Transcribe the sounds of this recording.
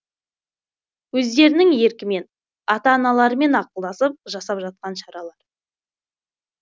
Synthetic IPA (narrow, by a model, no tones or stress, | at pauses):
wɵzd̪e̞ɾɪnɪŋje̞ɾkʲɪme̞n | ɑt̪ɑːnɑlˠɑɾəme̞nɑqəlˠd̪ɑsəp̚ʒɑsɑpʒɑt̪̚qɑnʃɑɾɑlˠɑɾ